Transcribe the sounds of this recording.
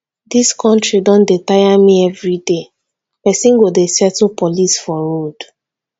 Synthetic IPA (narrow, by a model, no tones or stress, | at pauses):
diskʰɔ̃ntɹidɔ̃ndetajamiɛvɹide | pɛsĩnɡodesɛtl̩pɔlisfɔɹod̥